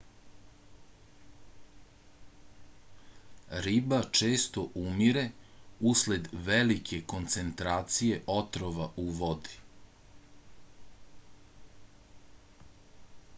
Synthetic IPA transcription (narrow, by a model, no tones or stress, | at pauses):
ɾibat͡ʃeːst̪o̞ʔumiɾe̞usle̞d̪ʋelikʰe̞ko̞nt̪se̞nt̪ɾaːt̪sije̞ʔo̞t̪ɾoʋaʔuʋod̪i